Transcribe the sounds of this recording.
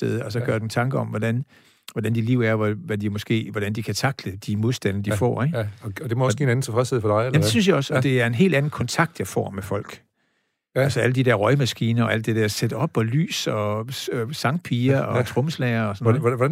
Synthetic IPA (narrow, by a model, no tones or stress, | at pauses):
eðˠɒ̽sɒ̽ɡ̥ɶɐd̥en̩t͡sʰɑ̈ŋɡ̥əɒ̽mʋɒdæn | ʋɒdænd̥iliʊ̰æɐʋæʋæd̥imɒ̽sɡ̥e̝̰ːʋɒɾ̥ænd̥ikʰæt͡sʰɑ̈ɡ̥ləd̥imo̝ðˠsd̥ænɐd̥ifɒ̰ːeɡ̥ɒd̥emɔɒsiːenæn̩t͡sʰefʁɛsheðˠfɒd̥ɑ̈ɪmde̝synsjɑ̈ɒ̽sɒ̽d̥e̝æɐe̝nɦe̝̰ːld̥æn̩kʰɒ̽nt͡sʰɑ̈ɡ̥̚d̥jɑ̈ɪfɒ̰ːmefɒ̽l̰ɡ̥ | ælsəæləd̥ideɐʁɒɪmæsɡ̥iːnɐɒ̽ʔæld̥ed̥eɐsed̥ɒ̽b̥ɒ̽ly̰ːsɒ̽ | sɑ̈ŋpʰiːɐɒ̽t͡sʰʁɔ̽məslɛːɐɒsɒnː